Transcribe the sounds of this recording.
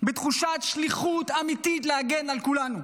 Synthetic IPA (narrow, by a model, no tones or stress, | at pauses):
bet̪χuʃat̪ʃliχut̪amit̪itleaɡenalkulanu